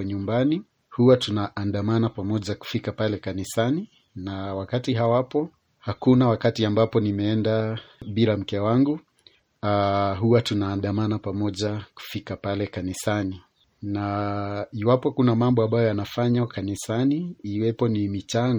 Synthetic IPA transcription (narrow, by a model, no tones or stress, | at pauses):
ɲumbani | huwatunaʔːndamanapamɔʄaku̥fikapalɛkanisani | nawakatiɦawapɔ | hakunawakatiambapɔnimɛɛndaɓiɾam̩kɛwaŋɡu | aɦuwatunaːnɗamanapamɔʄaku̥fikapalɛkanisani | na | iwapɔkunamambɔambajɔjanafaɲakanisaniːwɛpɔnimit͡ʃaŋ